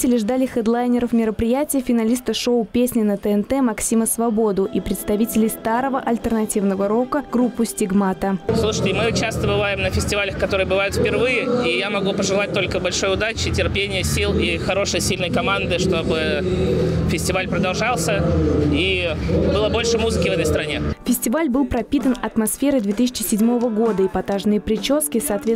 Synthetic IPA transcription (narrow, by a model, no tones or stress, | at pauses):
tʲɪlʲɪʐd̪alʲɪxəd̪lˠajnʲɪɾəfmʲɪɾəpɾʲɪjætʲɪjfʲɪnɐlʲist̪əʂoʊpʲesʲnʲɪnət̪əɛnt̪ɛmɐksʲiməsvɐbo̞d̪ʊʔipɾʲɪt̪st̪ɐvʲitʲɪlʲɪjst̪aɾəvəʔɐlʲt̪ʲərnɐtʲivnəvəɾo̞kəɡ̥ɾupːʊsʲtʲɪɡmat̪əslˠuʂə̥tʲɪmɨʊt͡ɕast̪əbɨvajɪmnəfʲɪsʲtʲɪvalʲəxkɐt̪o̞ɾɨjəbɨvajʊt̪fpʲɪrvɨjɪijamɐɡupəʐɨlˠat̚ʲt̪o̞lʲkəbɐlʲʂo̞jʊd̪at͡ɕɪtʲɪrpʲenʲɪjəsʲilˠixɐɾo̞ʂɨjsʲilʲnəjkɐmand̪ɨʂt̪o̞bɨ | fʲɪsʲtʲɪvalʲpɾəd̪ɐlˠʐɑlˠsʲəibɨlˠəbo̞lʲʂɨmuzɨkʲɪvɛt̪əjst̪ɾɐnʲefʲɪsʲtʲɪvalʲbɨlˠpɾɐpʲit̪ənɐt̪mɐsfʲe̞ɾɨd̪vʲet̪ɨs̬ʲɪ̥t͡ɕɪ̥sʲɪdʲmo̞vəɡo̞d̪əɪpɐt̪aʐnɨjəpɾʲɪt͡ɕo̞skʲɪsɐːt̪vʲe